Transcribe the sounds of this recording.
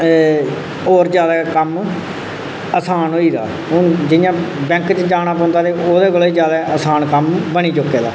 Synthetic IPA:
oːɾd͡ʒjaːd̪aːkəm | əsaːnoːiːd̪a̰ː | ʊd͡ʒɪjãːbɛ̃ːŋkt͡ʃd͡ʒaːnaːpɔ̃ːnd̪aːt̪eːoːd̪eːkolːiːd͡ʒjaːd̪aːəsaːnkəmbəñiːt͡ʃʊkːeːd̪a̰ː

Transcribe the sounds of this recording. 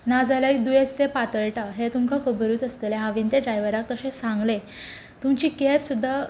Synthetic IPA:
nad͡zalaikd̪ujest̪epat̪əɭʈaɦet̪umkʰakʰəbɾuːt̪əst̪eleɦãʋint̪eɖɾajʋəɾak̚t̪əɕẽsãŋɡle | t̪umt͡ɕiːkɛpsud̪ʱːa

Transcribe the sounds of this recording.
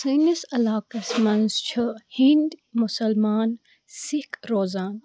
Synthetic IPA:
siːnisɐlaːkɐsmɐnzt͡ʃʰɐhĩnd̪mʊsɐlmaːn | sɪkɾoːzaːn

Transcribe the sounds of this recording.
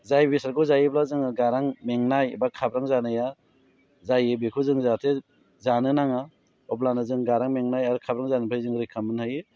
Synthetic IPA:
zajbisaɾɡɯzajɯblazɯŋɡaɾaŋmeŋnajbakʰabɾaŋzanɯja | zajɯbikʰuzɯŋzatʰe | zanɯnaŋa | ɔblanɯzɯŋɡaɾaŋmeŋnajaɾɯkʰabɾaŋzanɯpʰajzɯŋɾikʰamɯnhajɯ

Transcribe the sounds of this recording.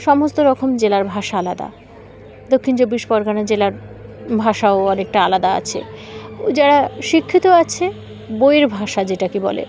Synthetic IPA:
ʃɔmost̪oɾɔkʰomd͡ʑelaɾbʱaʃaalad̪a̰ | d̪okʰːint͡ɕobːiʃpɔɾɡanad͡ʑelaɾ | bʱaʃaoɔnek̚ʈaalad̪aa̰t͡ɕʰḛd͡ʑaɽaʃikʰːit̪oat͡ɕʰe | bojeɾbʱaʃad͡ʑeʈakibɔ̰lḛ

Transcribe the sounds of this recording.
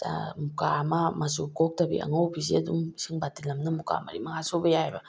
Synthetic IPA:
mukamɐmɐsukok̚tɐbḭʔɐ̰ŋɐwpʰis̬iɐduŋsiŋbatilɐmnɐmuka̰mɐ̰ɾḭmɐŋasobɐjahabɐ

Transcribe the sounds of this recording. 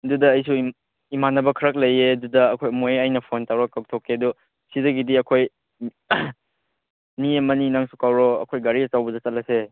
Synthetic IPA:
dudɐːjsu | imanɐbɐkʰɐɾɐk̬̚lɐjedudɐːkʰojmojajnɐpʰontawɾɔkak̚tʰokeɐdu | sidɐɡidiɐkʰoj | niɐmɐninaŋsukawɾɔɐ̰kʰojɡaɾiɐt͡ʃawbɐdɐt͡ʃɐt̚lɐse

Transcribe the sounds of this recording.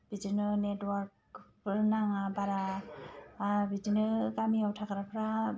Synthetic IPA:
b̥id͡ʒinɯnetwaɾk̚ | pʰɯɾnaŋabaɾa | bid͡ʒinɯkamiawtʰakɾapʰɾa

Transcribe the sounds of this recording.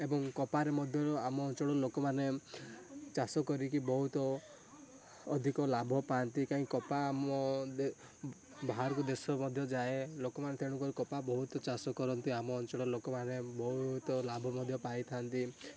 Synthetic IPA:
ebɔŋkɔpaɾemɔd̪ʱjɔɾɔamɔːnt͡ʃɔɽɔlokɔmane | t͡ʃasɔkɔɾikibɔɦut̪ɔ | d̪ʱikɔlabʱɔpant̪ikãɦĩkɔpaːmɔd̪e | bʱaɦaɾɔkud̪esɔmɔd̪ʱjɔd͡ʒaelokɔmanet̪ʰeɽ̃ukɔɾikɔpabɔɦut̪ɔt͡ʃasɔkɔɾɔnt̪iamɔːnt͡ʃɔɽɔlokɔmanebɔɦut̪ɔlabʱɔmɔd̪ʱjɔpajt̪ʰant̪i

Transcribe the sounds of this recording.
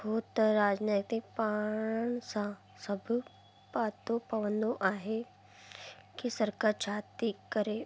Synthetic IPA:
boːt̪ɾaːd͡ʒneːt̪ɪk̚paːɳsã | sɐbʱ | paːt̪ːopɐʋə̃nd̪oʔaːɦe | kisəɾkaːɾt͡ʃʰaːt̪ikɐɾeː

